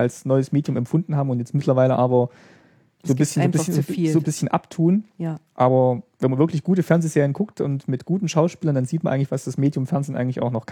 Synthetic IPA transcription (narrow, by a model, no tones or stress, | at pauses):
ʔalsnɔʏəsmeːdjʊmɛ̰mfʊndn̩haːbm̩ʊntjɛt͡stmɪtʰlɐvaɪləʔaːbɐ | zoːbɪsçnːnɪçːzoːbɪsçənʔa̰ptʰuːnʔaːbɐvɛnmanvɪɐklɪçɡ̥uːtəfɛɐnzeːzeːʁənɡʰʊktʊ̰ntmɪtɡ̥uːtn̩ʃaʊʃpiːlɐndanziːtmanʔaɪɡŋtlɪçv̥asd̥asmeːdjʊmfɛɐnzeːnʔaɪŋ̩tlɪçʔaʊxnɔχkʰ